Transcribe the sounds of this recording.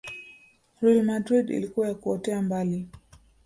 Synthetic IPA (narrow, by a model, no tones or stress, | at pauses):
ɾɛlmadɾidḭlikuwajakuɔtɛambali